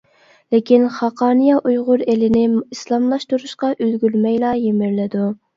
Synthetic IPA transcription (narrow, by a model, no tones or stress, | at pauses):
lɪkʲinχɑqʰɑːnɨjɑʔujʁʊɾelɪnɪislˠɑmlˠɑʃt̪uɾuʃqɑʔølɡʲylmɛjlˠɑːjemɪɾlɪd̪u